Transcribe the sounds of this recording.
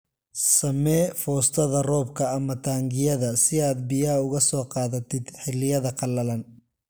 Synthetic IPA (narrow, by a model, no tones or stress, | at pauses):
sɐmɛːfɔːst̪ʰɐðɐrɔːbkʰɐːmɐt̪ʰaːŋɡɪjɐðɐsɪaːd̪̚bɪjaːʊɣɐsɔːqɑːðɐt̪ʰɪd̪ħɪlːɪjɐðɐqʰɑlːɐlɐn